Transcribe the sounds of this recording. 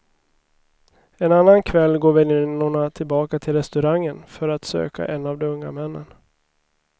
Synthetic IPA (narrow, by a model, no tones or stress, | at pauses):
ɛnanːankʰvɛlːɡoːɾvɛlɪnːɔɳat̪ʰɪlbɑːkat̪ʰɪlɾɛst̪ɵɾaŋːənfœɾat̪sø̰ːka̰ʔɛnːavd̪ɔmɵŋːamɛnːə̰n